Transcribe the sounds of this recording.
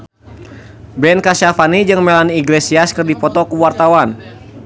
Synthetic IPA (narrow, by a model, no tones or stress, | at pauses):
bɛnkasafanid͡ʒɨŋmɛlaniːɡlesiaskɨrdipɔt̪ɔkuwart̪awan